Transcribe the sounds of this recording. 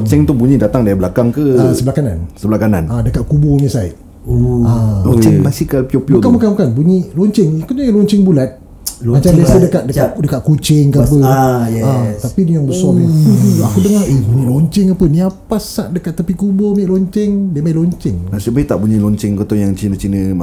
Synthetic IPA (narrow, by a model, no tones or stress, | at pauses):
ɲt͡ʃɛŋt̪ubuɲidat̪aŋdiablakaŋkəasəbəlakanansəbəlakana̰nadəkat̪̚kubɔɲəsaiʔ | alɔɲt͡ʃɪŋmasikalpiopiokamakamkanbuɲilɔɲt͡ʃɪŋkət̪oalɔɲt͡ʃɪŋbulat̪̚ | mat͡ʃamdiasadəkaʔ̚dəaʔdəkaʔ̚kut͡ʃɪŋkap̬əɛat̪apidujaŋbəsɔaakudəŋahebuɲiʔlɔɲt͡ʃɪŋapənĩapasːaʔdəkat̪ːapikubɔmiʔlɔɲt͡ʃɪŋdiəmailɔɲt͡ʃɪŋasibait̪aʔpuɲilɔɲt͡ʃɪŋkot̪ɔjaŋt͡ʃinət͡ʃinə̃